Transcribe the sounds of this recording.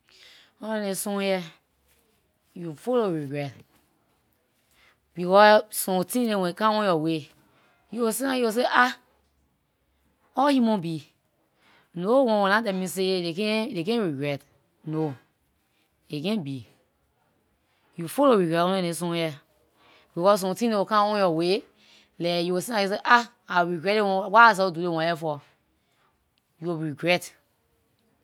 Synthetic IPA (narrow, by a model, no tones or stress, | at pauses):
ɔ̃nɛ̃esɔ̃jɛ | jufoloɹiɡɹɛt | bikɔsɔ̃tĩlẽwɛ̃kãwɔ̃jɔwe | juosenãjiwos̬eʔa | ɔhimɔ̃bi | nowɔ̃wɛ̃nãdɛmĩs̬edekɛ̃dekɛ̃ɹiɡɹɛt | no | ekɛ̃nbi | jufoloɹiɡɹɛtɔ̃nɛ̃ẽs̬ɔ̃ɛ | bikɔssɔ̃mtĩnewokãɔ̃jɔwe | lɛjuwesĩlajis̬eʔa | aɹiɡɹɛtewɔ̃waas̬ɛdudewɔ̃jɛfɔ | jubɹiɡɹɛt